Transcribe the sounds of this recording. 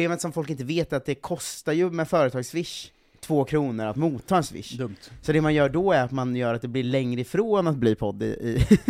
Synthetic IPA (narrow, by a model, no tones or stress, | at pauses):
leːmət̪sɔmfɔlk̬ɪnt̪əveːt̪at̪̚d̪ɛkʰɔst̪aɾjɵmɛfœːɾət̪ʰɑːɡsvɪʂ | t̪ʰvoːkʰɾuːnəɾa̰t̪muːt̪ʰːɑːɛnsvɪ̰ʂːdd̪ɵmt̪sɔd̪ɛmanjœːɖɔæɾat̪manjœːɾat̪̚d̪ɛblɪɭɛŋɾəɪfɾoːnat̪̚bliːpʰɔd̪ːɪ̰ɪ̰